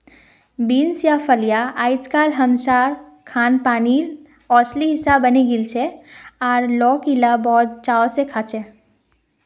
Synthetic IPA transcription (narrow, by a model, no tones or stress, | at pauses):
biːnsjafəlijaaːɪt͡ʃkaːlɦəmʃaːɾ | kʰaːnpaːnil | ɔːt͡ʃliɦɪsabəneɡɪlt͡ʃʰeɔːɾlɔːkilabɔːt̪̚t͡ʃaːsekʰaːt͡ʃʰe